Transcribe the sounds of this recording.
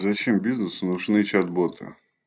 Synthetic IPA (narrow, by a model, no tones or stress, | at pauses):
zɐt͡ɕembʲiznɨsnʊʐnɨt͡ɕad̪bot̪ʰɨ̰